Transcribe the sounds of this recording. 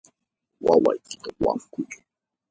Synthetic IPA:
wawajkɪ̥t̪awa̰ŋkʊt͡ʃʊ̥ŋ

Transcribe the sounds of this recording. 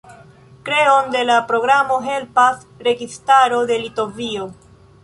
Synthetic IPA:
kɾe̞o̞nde̞lapɾo̞ɡɾamo̞ɦe̞lpas | ɾe̞ɡistaɾo̞de̞lito̞vio

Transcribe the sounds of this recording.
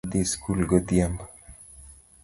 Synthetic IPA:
d̪iskulɡod̪iamb

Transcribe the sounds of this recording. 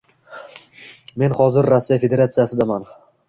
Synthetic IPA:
me̞nhɒzɪɾːasːijafe̞d̪eɾat̪sijasɪd̪aman

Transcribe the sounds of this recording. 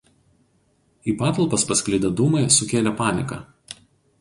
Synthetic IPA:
iːpɑːt̪ɐlˠpɐspɐsʲkʲlʲɪd̪ʲɐd̪uːmɐɪsʊkʲeːlʲɛpɑːnʲɪkɑː

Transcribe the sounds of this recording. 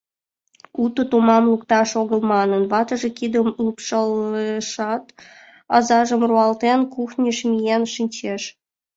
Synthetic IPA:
ut̪ət̪umɑmluk̚t̪ɑʃoɣə̆lmɑnənβɑt̪ə̆ʒĕkid̪əmulpʃəlʃɑt̪ | ɑzɑʒəmruɑlt̪enkuxnʲəʃmʲijenʃinʲt͡ɕeʃ

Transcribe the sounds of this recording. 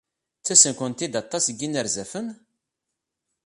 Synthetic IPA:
t͡sːæsənkʷənt̪id̪ɑt̪ˤːɑsɡːinəɾzæfən

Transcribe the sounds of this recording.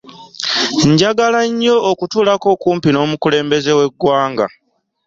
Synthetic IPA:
ɲɟaɡalaɲːo̞ːkutuːlako̞kuːmpino̞ːmukule̞ːmbe̞ze̞we̞ɡwaːŋɡa̰

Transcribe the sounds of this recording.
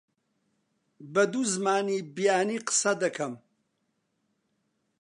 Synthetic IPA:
bɐd̪uzmaːnibijaːniːqə̥sɐd̪ɐkʰɐm

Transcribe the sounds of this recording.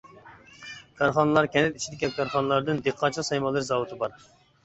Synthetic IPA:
kʰɑɾχɑnɨlˠɑɾkʲɛnd̪ɪt̪i̥t͡ʃʰid̪ɪkʲɛkʰɑɾχɑnɨlˠɑɾd̪ɨnd̪eqʰːɑt͡ʃʰɑsɑjmɑlˠɨɾzɑwut̪ʰɨbɑɾ

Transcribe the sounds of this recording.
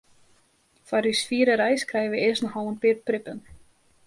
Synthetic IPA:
faɾisfiːɾɪɾaːjskɾaːjvɪʔejsnahaːwanpɪɾpɾɪpɛn

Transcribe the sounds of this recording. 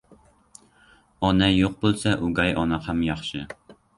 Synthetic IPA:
ɒnɛjoq̚bolˠsɛʔuɡɑjʔɒnɑqæmjɑχʃɪ

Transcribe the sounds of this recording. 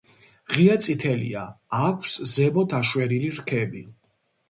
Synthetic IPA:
ʁiat̪sʼit̪ʰɛlḭaːkʷʰszɛbɔt̪ʰaʃwɛɾiliɾkʰɛbi

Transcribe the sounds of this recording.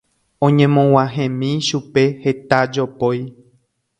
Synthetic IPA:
õɲẽmõw̃ãɦẽmĩʃupe̞het̪ad͡ʒopoj

